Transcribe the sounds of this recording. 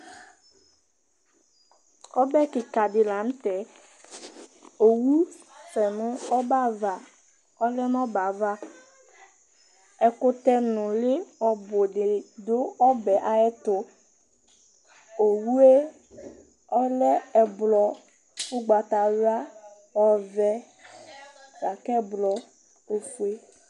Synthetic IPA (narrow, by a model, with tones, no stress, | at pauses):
ɔ˦bɛ˦kɪ˨ka˨ɖɪ˨la˨˦m˦t̪ɛ˨ | o˨wu˦ | fɛ˨nʊ̃˦ɔ˦ba˦va˨ | ɔ˦lɛ˦n˦ɔ˦ba˨va˦ | ɛ˨kʊ˦t̪ɛ˦nʊ̃˨lɪ˦ɔ˨bʊ˨ɖɪ˨d̪o˦ɔ˦bɛ˨ʔa˦ɛ˦t̪ʊ˦ | o˨wu˦e˦ | ɔ˦lɛ˦ɛ˨blɔ˨ | wu˦ɡ͡ba˨t̪a˨wa˦ | ɔ˦vɛ˦ | ɡa˨kɛ˦blɔ˨ | o˦fu˦e˦